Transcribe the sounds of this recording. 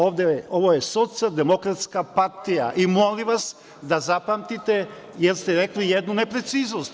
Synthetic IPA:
oʋd̪eo̞ʋojeso̞t̪sialˠd̪emo̞kɾat̪skapaɾt̪ija̰ʔimoliʋas | d̪azapamt̪it̪e | jeɾst̪eɾeklijed̪nunepɾe̞t̪siːznost̪

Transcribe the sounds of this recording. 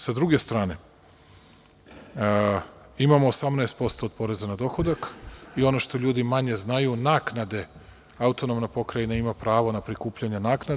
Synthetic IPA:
sad̪ɾuɡe̞st̪ɾaːne̞ | imamo̞ːsamnɛest̪po̞st̪o̞ːd̪̚po̞ɾe̞zanad̪o̞xo̞d̪akio̞no̞ʃt̪o̞ʎuːd̪imaɲe̞znajunaːknad̪e̞ | aut̪o̞nomnapo̞kɾajinaimapɾaːʋo̞napɾikuːpʎaɲenaːkna

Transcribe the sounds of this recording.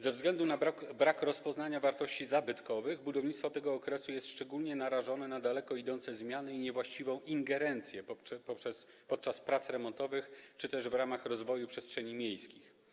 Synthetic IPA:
zɛvzɡlɛnd̪unabɾakɾɔspɔznaɲavaɾt̪ɔɕt͡ɕizabɘt̪kɔvɘɣbud̪ɔvɲit̪st̪fɔt̪ɛɡɔːkɾɛsujɛst̪ʂt͡ʂɛɡulɲɛnaɾaʐɔnɛnad̪alɛkɔid̪ɔnt̪sɛzmʲjanɘiɲɛvwaɕt͡ɕivɔ̃w̃ʔiŋɡɛɾɛnt̪sʲjɛpɔpʂɛs | pɔt̪̚t͡ʂaspɾat̪sɾɛmɔnt̪ɔvɘxt͡ʂɘt̪ɛʐvɾamaxɾɔzvɔjupʂɛstʂɛɲimʲjejskʲix

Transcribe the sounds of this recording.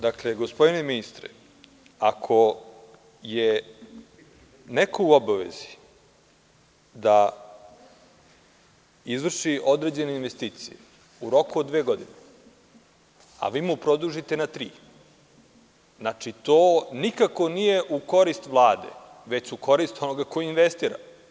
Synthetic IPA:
d̪akle̞ɡo̞spo̞d̪ine̞minist̪ɾḛ | akʰo̞ | je | nekʰouobaʋe̞̰zi̥ | d̪a | izʋr̩ʃiʔod̪ɾe̞d͡ʑe̞neinʋe̞st̪iːt̪sije | uɾo̞kuod̪ʋeːɡo̞d̪ine | a̰ʋiːmupɾo̞d̪uʒit̪e̞nat̪ɾiː | znat͡ʂit̪oːnikako̞nije̞ʔuko̞ɾist̪ʋlˠaːd̪e̞̰ | ʋe̞t͡ɕuko̞ɾist̪o̞noɡakojiinʋest̪iːɾa̰

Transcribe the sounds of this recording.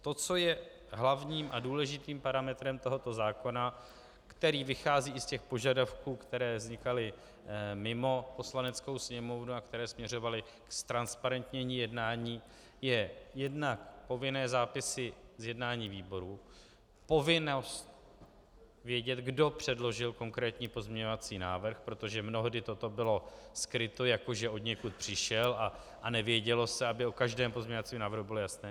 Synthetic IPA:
t̪o̞t͡so̞jɛ | ɦlavɲiːmʔaduːlɛʒɪt̪iːmpaɾamɛt̪ɾɛmt̪o̞ɦo̞t̪o̞zaːko̞na | kt̪ɛɾiːvɪxaːziːɪscɛxpo̞ʒadafkuːkt̪ɛɾɛːvzɲɪkalɪ | mɪmo̞po̞slanɛt͡sko̞wsɲɛmo̞vnuakt̪ɛɾɛːsmɲɛr̝o̞valɪ | kst̪ɾanspaɾɛnt̪ɲɛɲiːjɛdnaːɲiː | jɛjɛdnakpo̞vɪnɛːzaːpɪsɪzjɛdnaːɲiːviːbo̞ɾuː | po̞vɪnost̪̚ | vjɛɟɛt̪ɡdo̞pr̝̥ɛdlo̞ʒɪlko̞ŋkɾɛːt̪ɲiːpo̞zmɲɛɲo̞vat͡siːnaːvr̩xpɾo̞t̪o̞ʒɛmno̞ɦdɪt̪o̞t̪o̞bɪlo̞skɾɪt̪o̞jakoʒɛo̞d̪ɲɛkut̪̚pr̥ɪʃɛla | ʔanɛvjɛɟɛlo̞sɛabɪo̞kaʒdɛːmpo̞zmɲɛɲovat͡siːmnaːvɾɦubɪlojasnɛː

